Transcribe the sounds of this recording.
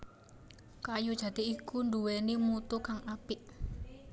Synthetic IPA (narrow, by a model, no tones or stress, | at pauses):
kajud̥ʒ̥a̤d̪̥i̤ikunduwenimut̪ukaŋʔapɪʔ